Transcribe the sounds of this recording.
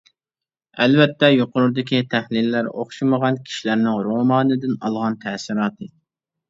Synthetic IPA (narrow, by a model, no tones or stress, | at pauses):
ɛlvɛt̪ːɛjoqʊɾuɾd̪ɪkʲit̪ʰæhlilːæɾo̰χʃiməʁɑnkʲʰi̥ʃilæɾnɪŋɾomɑːnɨd̪ɪnɑ̰lˠʁɑnt̪ʰɛsiɾɑːt̪ɨ